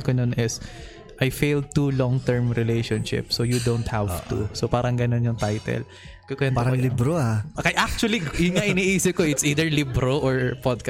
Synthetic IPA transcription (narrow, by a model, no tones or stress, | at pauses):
kononʔɪs | ʔajfejld̪̚t̪ulɔŋt̪ɛɹmɾɪlejʃonʃɪ̰psojʊd̪ownt̪havʔt̪ṵsopaːɾɐŋɡɐnonjʊŋt̪ajt̪ɛ̰l | kʊkwɛnaɾɐlibɾoakɐjʔak̚t͡ʃʊɐlijʊnŋaʔɪniʔiːsɪp̚koʔɪt̪siːd̪ɛɹlibɾoʔɔɹpɔd̪̚ka